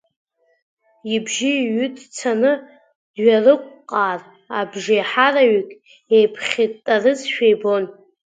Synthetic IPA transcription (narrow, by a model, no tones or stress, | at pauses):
ibʒiɥʏtʼt͡sʰanɨ | dɥarɨkʷʼqʼaːr | abʒeħaraɥikʼ | ejpʰχʲitʼtʼːarɨzʃᶣejbo̞n